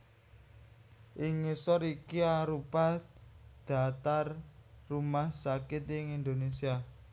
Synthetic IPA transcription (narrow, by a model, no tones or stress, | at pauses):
ʔɪŋːesɔɾikiaɾupa | d̪̥a̤t̪arːumahsakɪt̪ɪŋind̪onesia